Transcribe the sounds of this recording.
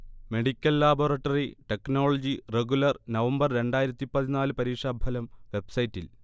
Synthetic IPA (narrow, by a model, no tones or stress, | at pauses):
me̞ɽikʲːɐlːaːborɐʈːɐriʈe̞kno̞ːɭɐd͡ʑireɡulɐrnɐʋɐmbɐrɾe̞ɳɖaːjiɾɐt̪ːipɐðinaːlɨpɐɾiːʂaːbʱɐlɐmʋe̞bsɐjitːil